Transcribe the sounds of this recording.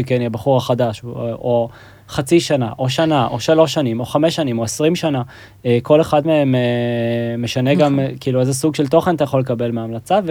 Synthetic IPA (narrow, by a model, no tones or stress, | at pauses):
keniabaχuʁaχadaʃo | χat͡siʃanaʔo̞ʃanaʔo̞ʃalo̞ʃːanimo̞χame̞ʃːanimo̞esʁimʃana | ko̞le̞χadmeemeː | eʃane̞ɡamkiːluezesuɡʃe̞lt̪o̞χenat̪ajaχo̞lekabe̞lmeamlat͡sav